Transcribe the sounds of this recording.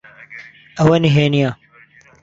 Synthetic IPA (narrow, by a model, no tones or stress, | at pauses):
ɐwɐniɦeːnijãː